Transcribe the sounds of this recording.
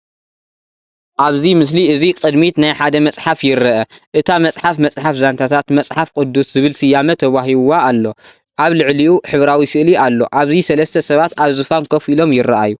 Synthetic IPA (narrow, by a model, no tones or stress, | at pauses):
ʔaβzimɨsliɨzikʼɨd̪mit̪najħad̪ɐmɐt͡sʼħafjɪɾɐʔɐʔɨt̪ʰamɐt͡sʼħafmɐt͡sʼħafzant̪ʰat̪ʰat̪mɐt͡sʼħafkʼʊd̪ːuszɨβɨlsɨjamɐt̪ʰɐβaɦiβaːlːo̞ | ʔaβlɨʕliʔuħɨβɾawisɨʔlialːo̞̰ʔaβzisɐlɐst̪ʰɐsɐβat̪aβzɨfankʰɐfilo̞mjɪɾːɐʔa̰ju